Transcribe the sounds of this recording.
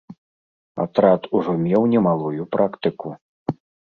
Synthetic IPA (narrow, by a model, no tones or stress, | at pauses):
a̰t̪ɾat̪uʐɔmʲɛwnʲɛmalˠujupɾʔakt̪ɨku